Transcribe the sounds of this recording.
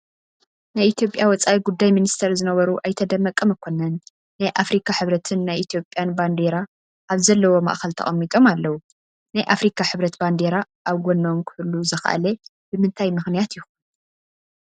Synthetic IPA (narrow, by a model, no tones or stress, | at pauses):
najʔit̪ʰjo̞pʼjawɔt͡sʼawiɡud̪ːajminist̪ʰɐɾzɨnɐβɐɾuʔajt̪ʰɐd̪ɐmːɐkʼːɐmɨkʰo̞nɐnː | ajʔafɾikʰaħɨβɾɐt̪ʰɨnːajʔit̪ʰjo̞pʼːjanband̪e̞ɾa | ʔaβzɐlːɐwo̞ma̰ʔxɐlt̪ʰɐ̰χʼɐmːit̪ʼo̞malːɐwu | najʔafɾikʰaħɨβɾɐt̪band̪eɾa | ʔaβɡonːomkʰɨhɨlːuzɐxa̰ʔa̰le | b̥ɨmɨnt̪ʰajmɨxnijat̪jɪxun